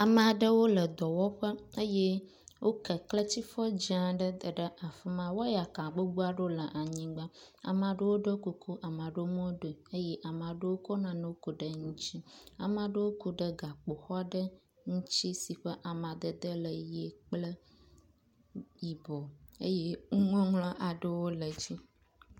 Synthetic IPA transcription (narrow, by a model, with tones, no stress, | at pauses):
a˨mə̃˨a˨ɖə˦wo˦lə˨d̪ɔ˨wɔ˦ɸə˦ə˦je˦ | wo˦kə˨klə˦t͡ɕi˦fɔ˦d͡ʑi˦ã˨ɖə˦d̪ə˨ɖə˦ʔa˨fə˦mã˦wɔ˦ja˨kã˨ɡ͡bo˦ɡ͡bu˦a˦ɖo˦lə˨ʔa˨ɲĩ˦ɡ͡ba˦a̰˨m˨ã˨ɖə˦wo˦ɖə˦ko˨ko˦ʔa˨mã˨ɖə˦wo˦mõ˦ɖo˨ə˦je˦ʔa˨m˨a˨ɖə˦wo˦kɔ˦nã˨nə̃˦wo˦ku˨ɖə˨ŋũ˦t͡ɕi˦a̰˨mã˨ɖə˦wo˦ku˨ɖə˦ɡa˨k͡po˨xɔ˦ɖə˦ | ŋũ˦t͡ɕi˦si˨ɸə˦ʔa˨mã˨d̪ə˨d̪ə˦lə˨je˨k͡plə˦ | ji˨bɔ˨ḛ˦je˦ŋu˦ŋɔ̃˦ŋlɔ̃˦ʔa˨ɖə˦wo˦lə˨d͡ʑi˦